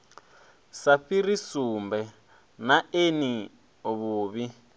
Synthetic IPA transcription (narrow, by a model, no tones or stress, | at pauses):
saɸirisumbɛ | naeni | oβuːβi